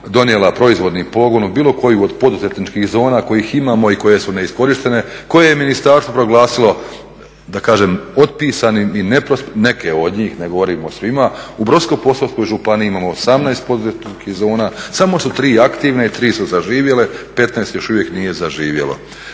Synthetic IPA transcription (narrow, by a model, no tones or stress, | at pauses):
d̪o̞nije̞lapɾo̞izʋo̞d̪nipo̞ɡo̞nubiːlˠo̞ko̞juod̪po̞d̪uzet̪nit͡ʃkihzo̞ːnako̞jiːximaːmo̞iko̞je̞sune̞isko̞ɾiʃt̪e̞ne̞ko̞jejeminist̪aɾst̪ʋopɾo̞ɡlˠaːsilˠo̞ | d̪akaːʒemo̞d̪̚piːsaniinepɾosne̞keo̞d̪ɲiːxne̞ɡo̞ʋo̞ɾimosʋimaubɾosko̞jpo̞salst̪ojʒupaniiimaːmoosamnaest̪̚po̞d̪uzet̪nit͡ʃkihzo̞ːnaːsamo̞sut̪ɾiːakt̪iʋneit̪ɾiːsuzaʒiːʋje̞le̞pe̞t̪naest̪jo̞ʃuʋje̞knije̞zaʒiːʋje̞̰lo̰